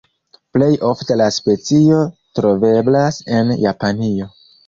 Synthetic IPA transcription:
ple̞jʔo̞fte̞laspe̞t͡sio̞tɾo̞ve̞blase̞njapanio̞

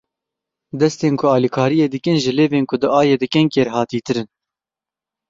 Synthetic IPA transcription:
d̪ɛst̪eːnkʰʊɑːlikʰɑːɾijeːd̪ɨkɨnʒɨleːveːnkʰʊd̪ɨʔɑːjeːd̪ɨkɛnkeɾhɑːt̪iːt̪ɨɾɨn

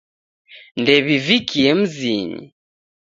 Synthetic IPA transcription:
ndɛβivikʰiɛm̩ziɲḭ

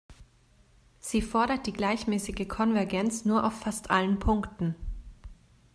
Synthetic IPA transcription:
z̥iːfɔɐɾɐt̚d̥iːɡlaɪçmɛːsɪɡəkʰɔnvɛɐɡɛnt͡snuːɐʔa̰ʊfːastʔalənpʰʊŋktn̩

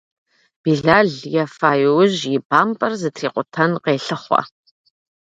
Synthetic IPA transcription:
b̥iːɮaːɮjɛfaːjwʊʑjɪbaːmpʼɐrzɨtʰriːqʷʼʊtʰɐnqeːɬɨχʷɔ̰

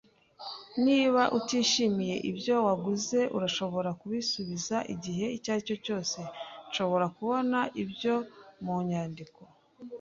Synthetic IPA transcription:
niːβaʔutiːʃimije̞ʔibjo̞waɡuze̞ʔṵɾaʃo̞βo̞ɾakuβisuβizaʔiɟiɦe̞icaːco̞co̞ːse̞nʃo̞βo̞ɾakuβo̞naʔibjo̞muɲaːndiko̞

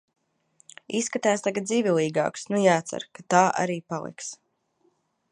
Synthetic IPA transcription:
isːkat̪aːst̪aɡat̪ziːvʲilˠiːɡa̰ːksnujaːt̪sa̰ɾkat̪aːʔa̰ɾiːpalˠḭks

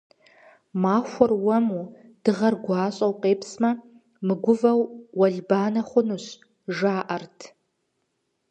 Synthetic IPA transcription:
maːxʷʊrwɐmu | d̥ɨʁɐrɡʷɑːɕʼɐwqʼeːpʰsmɐ | mɨɡʷʊvɐwːɐɮbaːnɐχʷʊnuɕ | ʒaːʔɐrtʰ

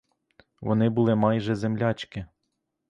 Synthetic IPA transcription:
ʋɔ̰nɪbʊlˠɪmɑjʒɛzemlʲat͡ʃkɪ

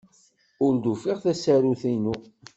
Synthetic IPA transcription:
ʊɾd̪ufiʁθæsæɾuθinu

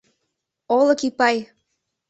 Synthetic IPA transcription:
olɤ̆kipɑj

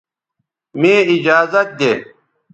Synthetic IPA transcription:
mẽːid͡ʑaːzɐt̪̚d̪eː

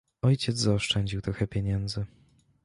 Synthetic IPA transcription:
ɔjt͡ɕɛd̪zzaɔʂt͡ʂɛɲd͡ʑiwt̪ɾɔxɛpʲjɛɲɛnd̪zɘ

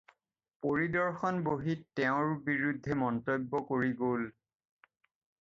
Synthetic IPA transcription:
poɹidɔɹxɔnboɦitːɛʊ̃ɹbiɹudʱːɛmɔntojbːɔkoɹiɡol

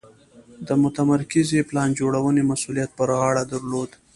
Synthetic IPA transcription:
d̪əmʊt̪amaɾkɪzeplɑnd͡ʒoɽawənemasulijat̪̚pəɾɣɑɽad̪aɾlod̪

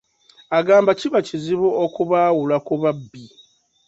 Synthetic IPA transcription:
aɡaːmbaciβaciziβuokuβaːwulakuβabːi

